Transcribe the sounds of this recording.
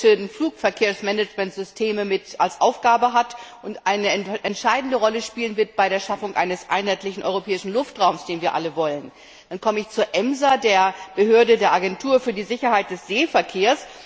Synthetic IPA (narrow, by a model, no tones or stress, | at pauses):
ədn̩fluːkfɛɐkʰeːɐsmɛnɛd͡ʒmɛntz̥ʏstʰeːməmɪtalsʔaʊfɡ̥aːbəɦatʔʊntʔaɪnəʔɛntʃaɪdn̩dəʁɔləʃpiːlənvɪɐt̚b̥aɪɾeːɐʃafʊŋʔa̰ɪnəsʔa̰ɪnhaɪtlɪçn̩ʔɔ̰ʏʁopʰɛːɪʃn̩lʊftʁaʊmsd̥eːnviːɐʔa̰ləvɔlən | d̥ankʰɔməɪçt͡suːɐʔɛmzadeːɐb̥əɦøːɐdədeːɐʔaɡɛntʰuːɐfyːɐdiːzɪçɐhaɪt̚d̥ɛsz̥eːfɛɐkʰeːɐs